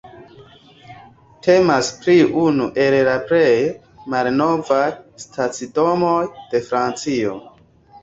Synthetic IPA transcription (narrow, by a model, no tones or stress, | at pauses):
tʰe̞maspɾiunuʔe̞llapɾej | malno̞vajstʰat͡sido̞mojd̥e̞fɾant͡sio̞